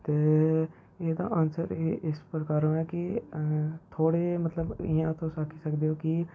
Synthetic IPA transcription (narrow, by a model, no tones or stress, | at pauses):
t̪eː | eːd̪ã̰ːʔəːnsəɾɪspɾəkaːɾõːɛːkɪ | t̪ʰoːɽeːmət̪ləbɪ̰jãːt̪ʰõːsaːkʰiːsəkd̪eːoːkɪ